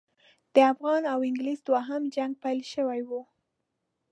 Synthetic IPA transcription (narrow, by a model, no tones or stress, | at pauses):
d̪̥əafɣɑnawɪŋɡlizd̪waɦamd͡ʒaŋɡ̚pajlʃəwajwu